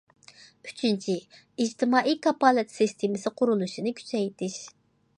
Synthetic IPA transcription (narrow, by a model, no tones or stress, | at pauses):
y̥t͡ʃʰint͡ʃʰi | id͡ʒt̪ʰɪmɑːʔijkɑpɑːlˠɨt̪ʰsɪst̪ʰemɪsɪqʰʊɾulˠuʃinɪkʲʰy̥t͡ʃɛjt̪ʰɪʃ